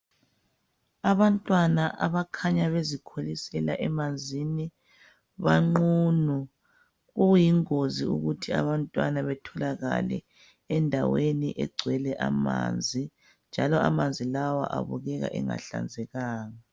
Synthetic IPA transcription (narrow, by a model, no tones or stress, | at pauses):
aβantʼwanaʔaβakʰaɲaβezikʰolisɛla̰ʔɛmand͡zʱini | βaŋ͡ǃuːnu | ɣujiŋoziuɣutʰia̰βantʼwa̰naβɛtʰɔlaɣa̰lɛ̰ | ɛndʱawenḭʔɛɡ͡ǀʱwɛlɛʔama̰ːnd͡zʱi | nd͡ʒʱalɔamand͡zʱilawa̰ʔaβuɣɛɣa̰ʔɛŋa̰ɬa̰nd͡zʱɛɣaːŋa